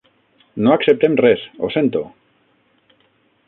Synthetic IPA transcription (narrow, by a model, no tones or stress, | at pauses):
noaksep̚t̪emresosent̪o